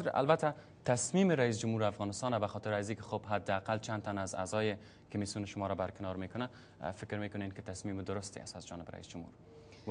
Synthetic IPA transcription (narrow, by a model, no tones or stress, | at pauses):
a̰lbat̪a | t̪asmimɪɾais̬d͡ʒʊmhuɾafɣɔnɪst̪ɑnabaxɔt̪ɪɾazikɪ̥xobɦad̪ːɪaqalt͡ʃʰan̚t̪anaza̰zɒjɪ | kʊmisjunɪʃʊmɔɾɔbaɾkɪnɒɾmekʊna | fɪkɾmekʊnenkɪt̪asmimɪd̪ʊɾʊst̪ḛa̰sazd͡ʒɔnɪbɾa̰ḭsd͡ʒʊmhṵɾ